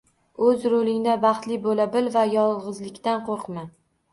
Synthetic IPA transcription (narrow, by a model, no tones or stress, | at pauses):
ɵzɾolɪŋd̪abɑχt̪lɪbolabɪlvajɒlˠʁɨzlɪkʲt̪anqʰoɾqma